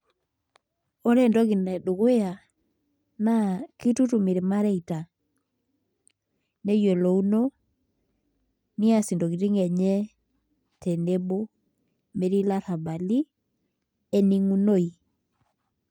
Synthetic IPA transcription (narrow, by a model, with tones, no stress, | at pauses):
o˦ɾɛ˦ndo˦ɡi˨nɛ˨du˨ɡe˦a˨ | na˦ki˦tu˦tu˨mi˨ɾe˨ma˦ɾɛ˦i˨ta˨ | ne˦je˨lo˨u˦no˦ | ni˦a˦si˨ndo˨ɡi˨ɾi˦ŋɛ˨ɲɛ˦ | te˨ne˦bo˦ | me˨ɾi˦la˦ɾa˨ba˨li˦ | e˦ni˦ŋu˦no˦i˨